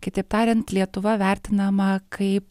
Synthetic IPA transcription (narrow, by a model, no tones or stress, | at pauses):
kʲɪt̪ʲɐɪp̚t̪ɑːɾʲɛnt̪lʲiɛt̪ʊʋɐʋʲɛˑɾʲt̪ʲɪnɐmɐkʰɐɪp